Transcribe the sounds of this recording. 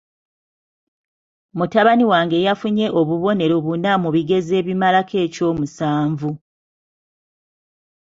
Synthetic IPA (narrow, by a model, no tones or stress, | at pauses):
mutaβaniwaːŋɡe̞jafuɲe̞ʔo̞βuβo̞ne̞ɾo̞βunamuβiɡe̞ze̞ːβimalakʰe̞ːco̞ːmusaːɱvu